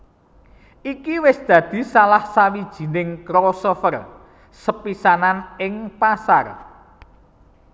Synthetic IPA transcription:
ʔikiwɪsd̪̥ä̤d̪̥i̤salahsawid̥ʒ̥i̤nɪŋkɾosofər | səpisananɪŋpasar

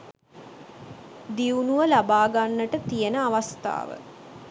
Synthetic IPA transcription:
d̪iunuʋəlabaːɡanːəʈət̪ijənəaʋast̪a̰ːʋə̰

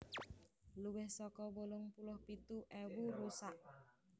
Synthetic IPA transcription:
luwɪhsɔkɔbolʊŋpulʊhpit̪uʔɛwurusaʔ

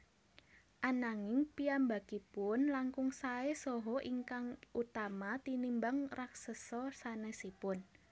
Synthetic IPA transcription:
ʔanaŋɪŋpiamba̤kipʊnlaŋkʊŋsaesɔɦɔʔiŋkaŋʔut̪amat̪inimbaŋraksəsɔsanɛsipʊn

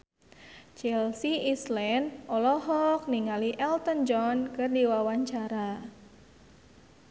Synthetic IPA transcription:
t͡ʃɛlsiislɛnɔlɔɦɔk̚niŋaliʔɛlt̪ənd͡ʒɔnkɨrdiwawaɲt͡ʃaɾa

